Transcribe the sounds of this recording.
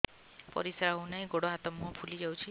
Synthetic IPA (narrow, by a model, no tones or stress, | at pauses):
pɔ̰ɾisaɾaɦunajɡoɽɔat̪ɔmːɔpʰulid͡ʒawt͡ʃʰi